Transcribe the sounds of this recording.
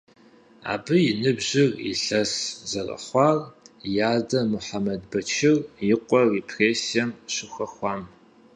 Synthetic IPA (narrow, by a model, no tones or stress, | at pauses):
a̰ːbɨjɪnɨbʑɪrḭɬɐszɐrɐ̰χʷɑːrjaːdɐmʊħamɐdbɐt͡ʃʰɪrjɪqʷʼɔrepʰreːsijɐmɕɪxɐxʷɑːm